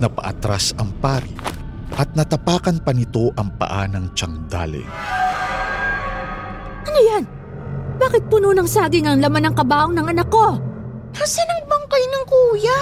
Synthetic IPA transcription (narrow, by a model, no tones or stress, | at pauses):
nɐpɐʔɐ̰t̪ɾasɐŋpaːɾḭ | ʔɐt̪̚nɐt̪ɐpaːkɐnpɐnɪt̪o̞ʔɐŋpɐ̰ʔanɐŋt͡ʃɐŋd̪a̰lɛ̰ | ʔɐnojan | baːkɪt̪̚punuːnɐŋsaːɡɪŋɐŋlɐmanɐŋkɐbaːʔoŋnɐŋɐnɐkːo̞ | ɐsɪnɐŋbɐŋkɐjnɐŋkuːja